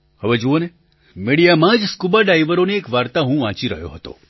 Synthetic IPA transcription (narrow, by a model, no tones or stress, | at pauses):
həʋed͡ʒuone | meɽijamãd͡ʒskubaɖajʋəɾoneːkʋaɾt̪aɦũʋãt͡ʃiɾə̰ɦjo̰ɦət̪o̰